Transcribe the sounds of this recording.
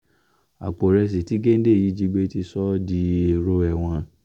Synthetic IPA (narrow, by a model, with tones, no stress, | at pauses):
a̰˨k͡po˨ɾɛ˧s̬i˨ti˨˦ɡe˦n̩˦de˦˨ji˨˦d͡ʒi˧ɡ͡be˦ti˧sɔ˦di˧˦e˨ɾo˧˦ɛ˨w̃ɔ̃˧